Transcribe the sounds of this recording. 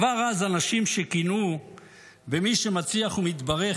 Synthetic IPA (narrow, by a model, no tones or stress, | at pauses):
vaʁazanaʃimʃekinu | bemiʃe̞mat͡siaχumit̪baʁe̞